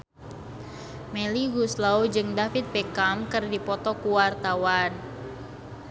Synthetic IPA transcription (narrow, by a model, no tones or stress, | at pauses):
meliɡuslaud͡ʒɨŋdafit̪̚bɛkamkɨrdipɔt̪ɔkuwart̪awan